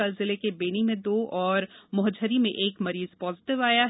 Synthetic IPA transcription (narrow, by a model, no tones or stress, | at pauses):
ɐlzɪlekebeːnimẽd̪oːʔɔːɾmʊɦd͡ʒəɾimḛ̃ʔeːkmɐɾiːzpɔːzɪʈɪʋaːjaɦ